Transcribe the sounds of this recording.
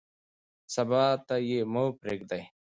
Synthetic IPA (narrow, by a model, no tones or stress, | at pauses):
sɐbaːt̪ɐjemopɾeːk̚d̪ɐj